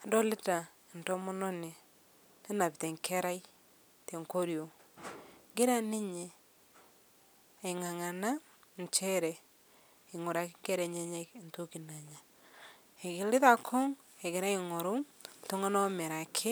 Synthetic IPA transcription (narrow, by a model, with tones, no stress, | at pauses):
a˨dɔ˦lɪ˦ta˨ | nto˦mo˦nɔ˦ni˨ | ne˦na˨pi˨te˨ŋkʰɛ˦ɾa˦i˦ | te˨ŋko˦ɾjo˨ | ɡɪ˦ɾa˦nɪ˦ɲe˨ | e˨ŋa˨ŋa˨na˦ | n˨t͡ʃɛ˦ɾɛ˨ | i˨ŋo˨ɾa˨kɪ˦kɛ˦ɾɛ˨ɲe˦ɲɛ˦knto˦ki˨na˨ɲa˨ | e˨ɣɪ˨lɪ˦ða˨kʰɔ˦ŋ | e˨ɣɪ˨ɾa˦ɪ˨ŋo˨ɾo˦˨to˦ŋa˦nɔ˦me˨ɾa˨kʰɪ˦